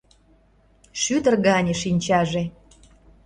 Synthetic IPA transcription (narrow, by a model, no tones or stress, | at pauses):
ʃyt̪ə̆rɣɑnʲeʃinʲt͡ɕɑʒe